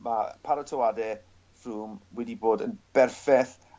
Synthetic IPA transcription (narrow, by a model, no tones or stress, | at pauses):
mapʰaɾɔtʰɔwadɛ | fuːmwɛdiboːdənb̥ɛrfɛθ